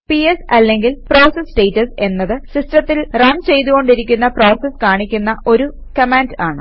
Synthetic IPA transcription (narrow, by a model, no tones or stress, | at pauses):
piesɐlːe̞ŋɡilpro̞ːsesʈejtːɐse̞nːɐðɨsistrɐt̪ːilrɐmt͡ɕe̞jt̪uɣo̞ɳɖiɾikʲːunːɐpro̞ːseskaːɳikʲːunːɐʔo̞ɾu | kɐmaːndaːɳɨ